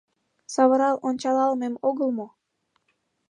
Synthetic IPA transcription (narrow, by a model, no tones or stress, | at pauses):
sɑβəɾɑlonʲt͡ɕɑlɑlmemoɣəlmo